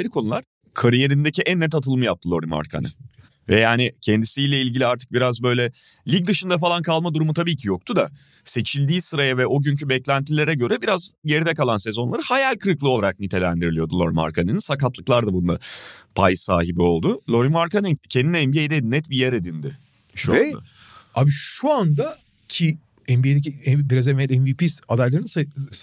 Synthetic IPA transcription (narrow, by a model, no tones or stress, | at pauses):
ajɾɯkʰo̞nulˠaɾ̥ | kʰaɾije̞ɾind̪eciʔænːɛt̪̬at̪ʰɯlˠmɯjap̚t̪ʰɯlˠo̞ɾima̰ɾkʰa̰nɯ̰ | vɛjaːnɪcʰɛnd̪isijlʲɛilʲɟilʲiaɾt̪ʰɯ̥k̚biɾazbø̞jlʲɛ | lʲic̚d̪ɯʃɯnd̪afalˠankʰalˠmad̪uɾumut̪ʰabiːcʰijo̞k̚t̪ʰud̪a | se̞t͡ʃʰilʲd̪iːsɯɾajavɛʔo̞ɟyɲcʰybɛclʲænt̪ʰilʲe̞ɾɛɟø̞ɾɛbiɾazje̞ɾid̪ɛkalˠanse̞zo̞nlˠaɾɯhajalʲkʰɯɾɯklˠɯo̞lˠaɾak̚nit̪ʰe̞lʲæ̰nd̪iɾilijo̞d̪ulˠo̞̰ɾima̰ɾkʰanininsakat̪lˠɯklˠaɾd̪abund̪a̰pʰa̰jsa̰ːɦibio̞lˠd̪ʊlˠo̞ɾimaɾkʰanicʰɛnd̪inɛɛnbiejd̪ɛd̪nɛt̪bijeɾed̪ind̪ɪ | ʃuea̰ | abiʃuand̪a | cʰi | ɛnbied̪eciɛbiɾazɛeɾɛnvipiːsad̪ajlˠaɾnɯnsa